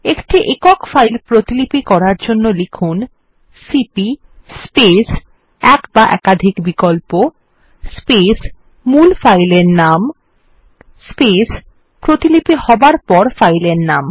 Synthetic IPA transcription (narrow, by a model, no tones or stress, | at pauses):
ekʈiʔekokfajlpɾot̪ilipikɔɾaɾd͡ʑonːolikʰun | sipi | spes | ɛkbaʔɛ̰kad̪ʱikbikolpo | spes | mulfajleɾnam | spes | pɾot̪ilipihɔbaɾpɔɾfajleɾnam